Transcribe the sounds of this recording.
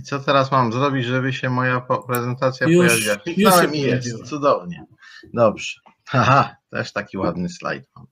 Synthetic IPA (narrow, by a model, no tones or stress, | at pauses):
it̪sɔt̪ɛɾasmamzɾɔbʲid͡ʑʐɛbɘɕɛmɔjapɔpɾɛzɛnt̪at̪sʲjapɔjjavʲiwaklʲiknawɛɛmijɛst̪t̪sud̪ɔvɲɛ | d̪ɔbʐ̥ɛ̥ | aɦat̪ɛ̰ʂt̪akʲiwad̪nɘsla̰jt̪ma̰m